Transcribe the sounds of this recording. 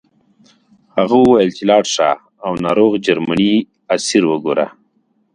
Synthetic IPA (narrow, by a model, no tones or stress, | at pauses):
haɣuwajəlt͡ʃilɑːʈʂa̰ː | wnaːɾoːɣd͡ʒaɾmani | asiɾwəɡoɾa̰